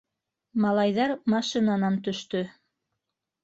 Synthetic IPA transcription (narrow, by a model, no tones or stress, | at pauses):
mɑlˠɑjðɑɾmɑʃinanɑnt̪ɵ̆ʃt̪ɵ